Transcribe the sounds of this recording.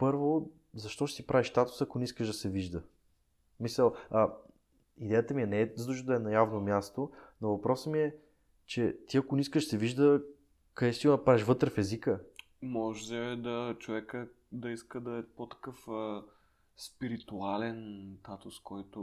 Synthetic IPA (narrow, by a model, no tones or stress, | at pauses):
pɤɾvo | zɐʃt̪ɔʃɛ̥t̪ipɾʔaviʃst̪at̪u̥sɐkoniskəʒd̪ɐsɛviʒd̪ə | misəlˠɐ | id̪ɛjət̪əmiɛnɛɛzd̪uʒəd̪əɛnɐjavnomʲjast̪onovɐpɾɔsəmiɛ | t͡ʃɛt̪iɐkoniskəʃsɛviʒd̪ə | kɐd̪ɛst̪iɡnɐpɾaɛʃvɤt̪ɾəfɛzikə | mɔʒɛd̪ɐt͡ʃovɛkə | d̪ɐiskəd̪ɐɛpot̪ɐ̥kɤf | spiɾit̪ualɛnt̪at̪ʊskɔjt̪ʊ